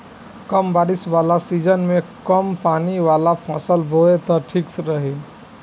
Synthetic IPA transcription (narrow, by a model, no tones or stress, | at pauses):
kəmbaːɾɪsʋalasid͡ʒənmẽkəmpaːniʋalapʰɔ̃səlboet̪ɔʈʰiːksɾəɦi